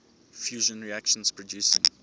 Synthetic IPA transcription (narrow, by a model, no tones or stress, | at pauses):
fjuːʒə̃nɹiækʃə̃nspʰɹɔdjuːsɪ̰̃ŋ